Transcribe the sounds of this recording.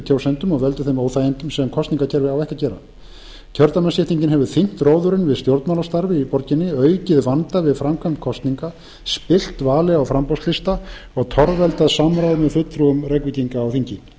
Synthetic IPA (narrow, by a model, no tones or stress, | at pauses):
t̪ʰjaːwsɛnt̪ʏmɔɣvɛlt̪ʏ̥θejmoːwθajɪnt̪ʏmsɛmkʰɔst̪iŋkacʰɛɾvɪawɛhcacɛːɾa̰ | cʰœɾt̪amɛnsɛt̪iɲcɪnɦɛvʏ̥θiŋ̥t̪roːwðʏɾɪnvɪðst̪jowɾt̪malast̪aɾvɪipɔɾcɪnːɪœːɥcɪðvant̪avɪðfɾamkʰvampkʰɔst̪niŋka | spɪl̥t̪vaːlɪɣawfɾampɔwst̪lɪst̪a | ɔɣt̪ʰɔɾvɛlt̪aðsamɾawðmɛðfʏt̪ʰːɾuʏmrɛkvɪc̪iŋkaːwθiɲcɪ